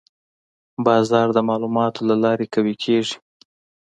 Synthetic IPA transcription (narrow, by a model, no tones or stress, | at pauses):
bɑzɑɾd̪əmɑlumɑt̪ʰolalɑɾekawekʰeʐi̥